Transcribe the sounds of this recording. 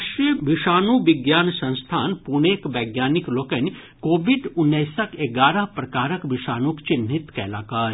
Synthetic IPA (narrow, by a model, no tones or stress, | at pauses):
ʃɾijəʋiʃaːnuʋɪɡjaːnsɐ̃ñst̪ʰaːnpuɽ̃eːkʋɐɡjaːnikloːkɐn | koːʋiɖʊnːɐjsɐkeɡaːɾɐɦpɾɐkaːɾɐkʋiʃaːnukt͡ʃinɦit̪kɛ̰ːlaːkaːɾ